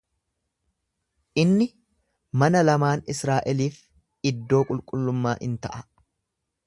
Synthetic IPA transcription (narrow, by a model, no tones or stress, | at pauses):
ʔɪnːɪ | mɐnɐlɐmaːnɪsɾaːʔɛliːf | ɪd̪ːo̞ːkʼʊlkʼʊlːʊmːaːʔɪ̰nt̪ɐʔɐ